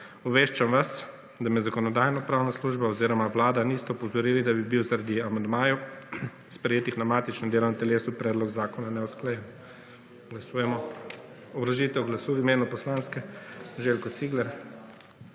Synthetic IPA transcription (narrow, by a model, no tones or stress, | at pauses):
ɔʋeːʃt͡ʃamʋas | d̪amɛzakɔnɔd̪aːjnɔpɾaːwnasluʒbaɔziːɾɔmaʋlaːd̪anist̪ɛɔpɔzɔɾiːlid̪abibiwzaɾad̪iamand̪maːju | spɾɛjeːt̪ixnamaːt̪it͡ʃnɛd̪eːlɔnat̪ɛleːsupɾɛːd̪lɔɡzaːkɔnanɛɔsklajɛn | ɡlasuːjɛmɔ | ɔbɾɔʒiːt̪ɛɔɡlasuːimeːnupɔslaːnskɛʒeːlkɔt̪siːɡlɛɾ